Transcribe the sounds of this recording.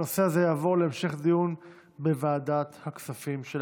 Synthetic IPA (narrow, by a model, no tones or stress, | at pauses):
oseazejaːvo̞ʁleemʃe̞χd̪ijun | bevaːdat̪haksafimʃel